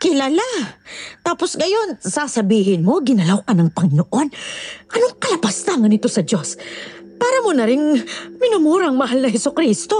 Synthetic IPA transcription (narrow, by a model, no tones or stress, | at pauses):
kɪlaːlat̪aːpo̞sɡɐjo̞nsasɐbiːhɪnmo̞ɡɪnɐlawkɐnɐŋpɐŋɪnoʔo̞nʔɐno̞ŋkɐlɐpast̪aŋɐnɪt̪o̞sɐd͡ʒo̞s | paːɾɐmonɐɾɪŋmɪnʊmuːɾɐŋmɐɦalnɐhɦɛsʊkɾist̪o̞